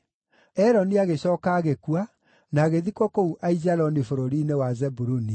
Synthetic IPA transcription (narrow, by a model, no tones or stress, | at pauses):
ɛɾɔniaɣeɕɔːkaːɣekua | naːɣeðikɔkouʔaizalɔnifoɾoɾinewazɛbuɾuni